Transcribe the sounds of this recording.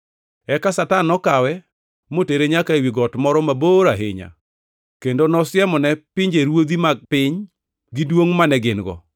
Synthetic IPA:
ɛkasatanɔkawɛ | moteɾeɲakaewiɡɔtmɔɾɔmaboːɾaɦɪ̰ɲa̰ | kendonɔsɪjɛmɔnɛpɪɲd͡ʒeɾwod̪imaɡ̚pɪɲ | ɡidwoŋmanɛɡɪnɡɔ̰

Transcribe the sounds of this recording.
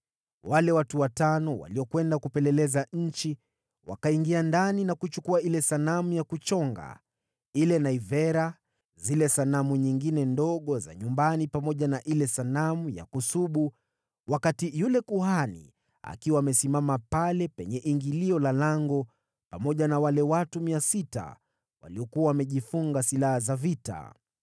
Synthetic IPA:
walɛwatuwatanɔwa̰liɔkwɛndakupɛlɛlɛzaɲ̩t͡ʃi | wa̰kaiŋɡiandaninakut͡ʃukuailɛsanamujakut͡ʃɔŋɡa̰ | ilɛnaivɛɾa | zilɛsanamuɲiŋɡinɛndɔɠɔza̰ɲumbanipamɔʄanaʔilɛsanamuja̰kusuɓu | wakatijulɛkuhanḭ | a̰kiwaːmɛsimamapalɛpɛ̰ɲɛʔiŋɡiliɔlalaŋɡɔ | pamɔʄanawalɛwatumiasita̰ | wa̰liɔkuawamɛʄifuŋɡasilahazavita̰

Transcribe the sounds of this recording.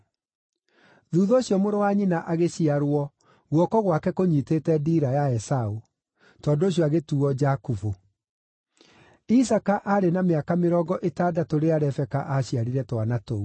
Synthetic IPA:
ðuːðɔːɕjɔmoɾowaɲinaʔaɣeɕiaɾwɔ | ɣwɔkɔɣwakɛkoɲitetɛdiːɾajaɛsau | tɔndoɕiɔaɣetuɔd͡ʒakuvo | isakaʔaɾenameakameɾɔːɡɔʔetaːdatoɾeaɾɛfɛka̰ʔaɕiaɾiɾɛtwanatou

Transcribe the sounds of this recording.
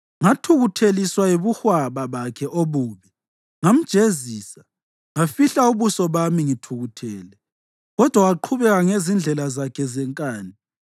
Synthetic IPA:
ŋatʰuɣutʰeliswaeβuxwaβaβakʰɛʔoβuːβɛ | ŋam̩d̥ʒ̥ʱeziːsa | ŋafiɬauβusɔβamiŋitʰuɣutʰɛːlɛ | ɣɔd̥ʱwawaǃʰuβɛɣaŋezind͡ɮʱɛlazakʰɛzɛŋkʼaːni

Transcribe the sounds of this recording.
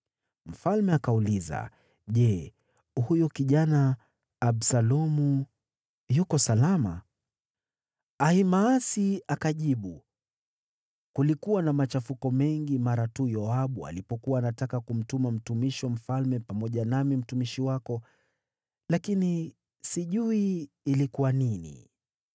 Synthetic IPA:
m̩falmɛakauliza̰ | ʄɛ | hujɔkiʄanaː | ɓsalɔmu | jukɔsalama̰ | ahimaːsiakaʄiɓu | kulikuwanamat͡ʃafukɔmɛŋɡimaɾatujɔaɓua̰lipɔkuwaːnatakakum̩tumam̩tumiʃwam̩falmɛpamɔʄanamim̩tumiʃiwakɔ | lakini | siʄuiː | likuwaninḭ

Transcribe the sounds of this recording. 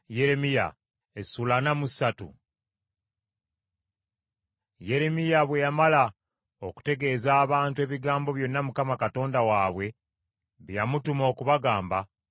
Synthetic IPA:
je̞ɾe̞mija̰ | esulanamusatṵ | je̞ɾe̞mijaβwe̞jamala | o̞ku̥te̞ɡe̞ːzaːβaːntue̞ːβiɡaːmbo̞βjo̞nːamukamakato̞ːndawaːβwe̞ | βjjamutumo̞ːkuβaɡaːmba

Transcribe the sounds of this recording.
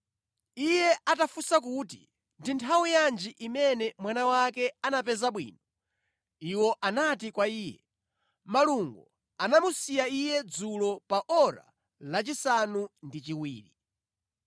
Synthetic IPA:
ijɛʔatafusakutḭ | ndintʰawijand͡ʒiʔimɛnɛmwanawakɛanapɛzaɓwḭːnɔ | iwɔʔanat̬ikwaiːjɛ̰ | maluŋɡɔ | anamusijaijɛd͡zulɔpaʔɔɾa̰ | lat͡ʃisanundit͡ʃiwḭːɾi

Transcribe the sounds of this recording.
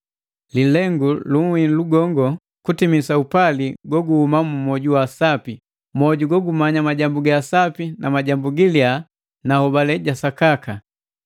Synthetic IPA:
lilɛŋɡuluŋ̩wiluɡɔŋɡɔ | kutimisaupaliɡwɔɡuhumamumɔɟuwasapi | mɔɟuɡɔɡumaɲamaɟambuɡaːsapinamaɟambuɡilia | nahɔbalɛɟasakaka

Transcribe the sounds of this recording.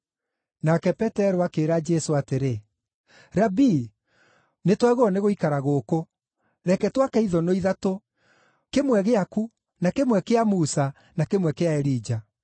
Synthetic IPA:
nakɛpɛtɛɾoakeːɾad͡ʒɛsoateɾe | ɾabi | netwaɣoɔneɣoikaɾaɣoko | ɾɛkɛtwakɛiðɔnoiðato | kemwɛɣeaku | nakemwɛkeamuːsa | nakemwɛkeaɛɾid͡ʒa

